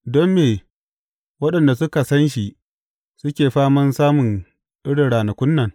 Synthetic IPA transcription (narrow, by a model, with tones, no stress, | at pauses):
dɔ˦mːeː˨ | wɐ˦ɗɐ˨nda˨sʊ˦ka˨sɐ˦nʃi˨ʔ | sʊ˦kʲeː˨ɸaː˦mɐ˦nsaː˦mʊ˨n | ʔɪ˦ɽɪ˨nɽaː˨nɐ˨kʷʊ˦nːɐ˨ŋ